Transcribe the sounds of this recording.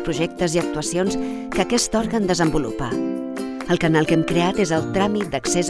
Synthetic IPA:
pɾuʒɛk̚t̪əziək̚t̪uəsionskəkɛst̪ɔɾɣənd̪əzəmbulṵpa̰ | əlˠkənalˠkɛmkɾeat̪ezəlˠt̪ɾamit̪̚d̪əksez

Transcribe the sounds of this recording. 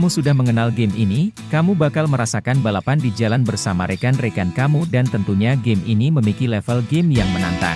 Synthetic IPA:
musudahməŋənalɡemʔini | kamubakalməɾasakanbalapandid͡ʒalanbərsamaɾʔekanrekankamudant̪ənt̪uɲaɡeminiməmikilɛfəlɡemjaŋməna̰nt̪a̰

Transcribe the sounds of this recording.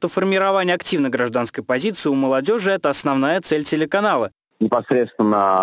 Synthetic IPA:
t̪ofərmʲɪɾɐvanʲɪjəɐktʲivnəɡɾɐʐd̪anskəjpɐzʲit̪sɨɪʊməlˠɐdʲo̞ʐɨɛt̪əɐsnɐvnajət̪sɛlʲtʲɪlʲɪkɐnalˠə | nʲɪpɐsɾʲet̪st̪vʲɪnːə

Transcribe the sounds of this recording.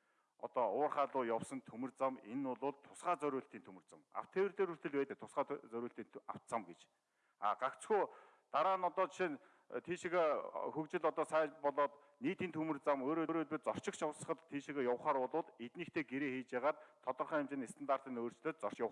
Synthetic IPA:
ɔ̰t̪ɔːʊːrχaɮʊːjawsɞ̆nt̪ʰumɘ̆rt͡samenʊɮʊːɮt̪ʰːʊsɢaːt͡sœɾʲʊːɬt̪iːnt̪ʰumɘ̆rt͡săma̰w̥t̪ʰewrt̪eɾɵr̥t̪ɘ̆ɮpæːt̪ɘ̆k̚t̪ʰʊsɢaːt͡sœɾʊːɬt̪iːnt̪ʰa̰w̥̪t͡samɡet͡ɕ | a̰ɢ̥akt͡sxuː | t̪aɾaːnɔt̪ɔːt͡ɕʰin | t̪ʰiːʃĭɣexɵkt͡ɕɪ̆ɮɔt̪ɔːsæːpɔɮɔːt̪ | niːt̪iːnt̪ʰumɘ̆rt͡samoːɾoːɾoːt̪pĭt̪̚t͡sɔr̥t͡ɕɪ̆kt͡ɕʰawsə̥̆χə̆t̪t̪ʰːiːʃĭɣeːjʊwχaːɾʊɮʊːt̪et̪niːkt̪ʰeːɡeɾeːxiːt͡ɕaːʁaːt̪ʰːɔt̪ɞ̆rχœːamt͡ɕĕːnest̪ə̆nt̪aːr̥t̪iːnoːrt͡ɕ̆ɮoːt̪̚t͡sɔr̥ʃjaw

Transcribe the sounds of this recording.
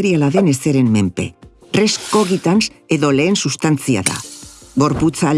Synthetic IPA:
ɾialaðe̞ne̞se̞ɾe̞mme̞mpe̞̰ | resko̞ɣit̪anse̞ðo̞le̞ːnsust̪ant͡sia̰ða̰ɣo̞ɾput͡sa

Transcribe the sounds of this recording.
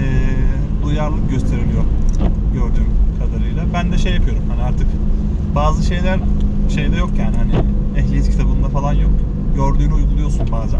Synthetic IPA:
ɛː | d̪ujaɾlˠɯkɟøst̪ʰe̞ɾilʲijo̞ɾɟø̞ɾd̪yːmkʰad̪aɾɯjlˠabænd̪ɛʃejːapʰɯjo̞ɾumhaniaɾt̪ʰɯkbaːzɯʃe̞jlʲæɾʃe̞jd̪ɛjo̞kjaːnihanɪɛçlʲijit̪cʰi̥t̪ʰabɯnd̪afalˠanjo̞k | jøɾd̪yːnujɡulˠujoɾsunbaːza

